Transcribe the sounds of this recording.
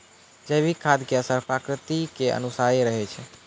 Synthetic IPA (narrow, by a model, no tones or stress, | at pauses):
d͡ʒəbikʰad̪keəsəɾpakɾɪt̪ikeə̰nusaeɾəɦɛt͡ʃʰɛ